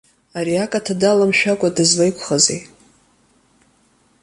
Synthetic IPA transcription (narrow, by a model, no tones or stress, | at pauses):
aɾiakʼatʰadalamʃᶣakʷʼadɨzwajkʷʰχazḛj